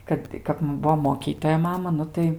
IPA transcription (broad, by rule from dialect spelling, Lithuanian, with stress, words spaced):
ˈkɐt tɐɪ ˈkɐp ˈbuɔ moːˈkʲiːtoːjɛ ˈmɑːmɐ ˈnʊ tɐɪ